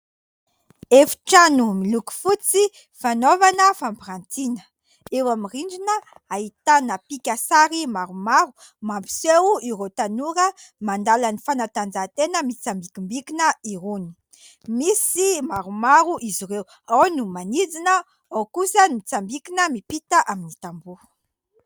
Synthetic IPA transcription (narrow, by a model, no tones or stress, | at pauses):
efi̥ʈ͡ʂanumiluku̥fut͡si | fanovanəfampɾant̪inə̥ | ewamiriɳɖ͡ʐinə | ait̪anəpikʲasaɾimaɾumaɾu | mampi̥sewiɾewt̪anuɾəmand̪alənifanat̪and͡zat̪enəmit͡sambikimbikinəiɾuni̥ | misimaɾumaɾuʔiziɾew | awnumanid͡zinə | awkusənimit͡sambikinəmipit̪aʔaminit̪ambuu̥